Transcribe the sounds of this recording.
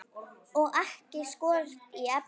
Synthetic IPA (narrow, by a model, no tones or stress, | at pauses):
ɔɣaɛhcɪskɔːɾt̪iap